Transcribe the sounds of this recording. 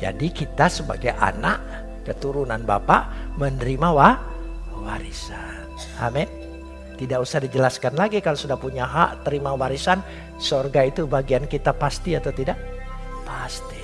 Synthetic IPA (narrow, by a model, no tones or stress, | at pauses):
d͡ʒa̰dikit̪asəba̰ɡajʔa̰naʔ | kət̪uɾunanba̰paʔmənəɾimawahwaɾisa | n | a̰mɛn | t̪idaʔusahdid͡ʒəlaskanlaɡikalosudahpuɲaɦa̰ʔt̪əɾimawaɾisan | sorɡait̪ubaɡiankit̪apast̪iat̪awt̪idaʔ | past̪i̥